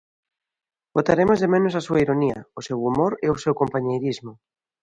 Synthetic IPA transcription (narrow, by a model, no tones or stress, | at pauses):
ɡot̪aɾemozðemenosasuaiɾoniɐ̰osewumoɾeosewkompaɲejɾizmʊ